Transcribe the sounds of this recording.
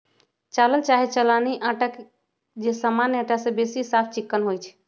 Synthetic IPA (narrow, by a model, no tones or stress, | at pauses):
t͡ʃaləlt͡ʃaɦet͡ʃəlaniʔãʈək | d͡ʒesəmanãʈasẽbesisapʰt͡ʃikːənɦojt͡ʃʰ